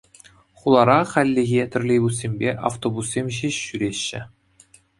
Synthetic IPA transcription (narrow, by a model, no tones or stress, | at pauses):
χulˠɑɾɑχælʲːĕɣʲet̪ʲɘ̆rʲlʲejbus̬ːʲemʲbʲeʔa̰ft̪obusːʲemʲʑiɕːyɾʲeɕːɘ̆